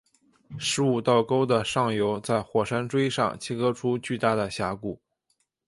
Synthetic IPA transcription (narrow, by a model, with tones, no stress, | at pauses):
ʂɻ̩˧˥u˨˩t̪ɑ˥˩ʊko˥ʊd̪ə˨ʂɑ˥˩ŋjo˧˥ʊt͡sa˥˩ɪxwɔ˨˩ʂa˥nʈ͡ʂwe˥ɪʂɑ̰˥˧ŋt͡ɕʰi˥kɤ˥ʈ͡ʂʰu˥t͡ɕy˥˧t̪a˥˩d̪ə˩ɕja˧˥ku˨˩